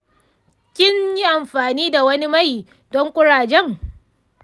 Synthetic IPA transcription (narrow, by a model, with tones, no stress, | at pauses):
kʲɪ˦ɲji˦ʔa˨mɸaː˨niː˦da˨wɐ˦ni˦ma˦j | dɔ˦ŋkʷʼʊ˦ɽaː˨d͡ʒɛ˦ŋ